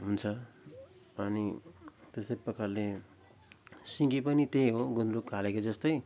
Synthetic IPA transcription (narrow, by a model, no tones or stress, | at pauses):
ɦunt͡sʰʌ | ʌnit̪esʌpʌkʰːallːe | siŋɡipʌnit̪eɦoɡunrukkalekod͡zʌst̪ʌj